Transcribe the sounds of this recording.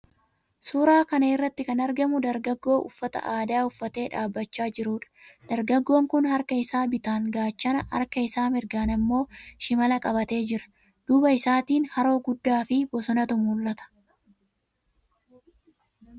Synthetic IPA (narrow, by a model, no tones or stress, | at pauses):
suːɾaːkɐnɐɪrːɐt̪ːɪkɐnɐɾɡɐmʊd̪ɐɾɡɐɡːo̞ːʔʊ̰fːɐt̪ɐ̰ʔaːd̪aːʊfːɐt̪e̞ːᶑaːbːɐt͡ʃːaːd͡ʒɪɾuːᶑɐ̥d̪̥ɐɾɡɐɡːo̞ːŋkʊnhɐɾkɐɪsaːbɪt̪aːŋɡaːt͡ʃːɐnɐhɐ̰ɾkɐɪsaːmɪɾɡaːnɐmːo̞ːʃɪmɐlɐkʼɐbɐt̪e̞ːd͡ʒɪɾɐ̥ | d̪̥ʊbɐɪsaːt̪iːnhɐɾo̞ːɡʊd̪ːaːfɪbɔsɔnɐt̪ʊmʊlːɐt̪ɐ̥